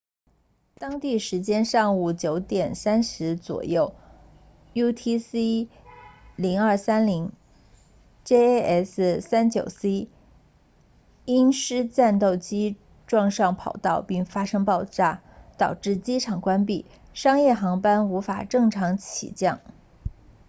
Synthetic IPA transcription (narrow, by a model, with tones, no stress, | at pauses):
t̪ɑ˥ŋt̪i˥˩ʂɻ̩˧˥t͡ɕjɛ˥nʂɑ˥˧ŋu˥˩t͡ɕjo˧˥ʊt̪jɛ˨˩nsa˥nʂɻ̩˧˥t͡swɔ̰˨˩jo˥˩ʊ | ju˥t̪ʰi˥si˥ | li˧˥ŋə˞˥˩sa˥nli˧˥ŋ | ʈ͡ʂe˥ʔɛ˥˩ssa˥nt͡ɕjo˨˩ʊsi˥ | i˥nʂɻ̩˥t͡sa˥˧nt̪o˥˩ʊt͡ɕi˥ | ʈ͡ʂwɑ˥˧ŋʂɑ˥˩ŋpʰɑ˨˩ʊt̪ɑ˥˧ʊpi˥˩ŋfa˥ʂɤ˥ŋpɑ˥˧ʊʈ͡ʂa˥˩ | t̪ɑ˨˩ʊʈ͡ʂɻ̩˥˩t͡ɕi˥ʈ͡ʂʰɑ˨˩ŋkwa˥np̬i˥˩ | ʂɑ˥ŋjɛ˥˩xɑ˧˥ŋpa˥nu˧˥fa̰˨˩ʈ͡ʂɤ˥˩ŋʈ͡ʂʰɑ˧˥ŋt͡ɕʰḭ˨˩t͡ɕjɑ˥˩ŋ